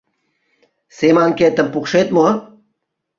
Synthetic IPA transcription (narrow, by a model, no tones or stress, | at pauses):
semaŋket̪əmpukʃet̪̚mo